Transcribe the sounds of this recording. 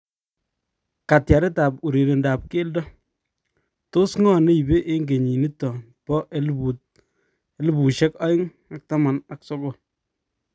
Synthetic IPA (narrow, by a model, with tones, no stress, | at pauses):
ka˨tja˨ɾɛ˦ta˨pu˨ɾe˨ɾe˨nda˨p̚ke˦ldɔ˦ | to˦sŋɔ˦ne˦i˨be˦ʔe˦ŋɡe˨ɲi˨ni˦tːɔ˨ | pɔ˦ʔlu˨ | e˦lbu˨ʃɛ˦ka˦ɪ˦ŋ | a˨k̚ta˦ma˨na˨kso˦ɡo˦˨l